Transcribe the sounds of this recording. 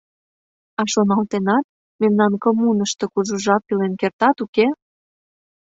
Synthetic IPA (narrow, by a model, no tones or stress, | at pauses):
ɑʃonɑlt̪enɑt̪̚ | memnɑnkəmunəʃt̪ɤ̆kuʒuʒɑpːilenkert̪ɑt̪uke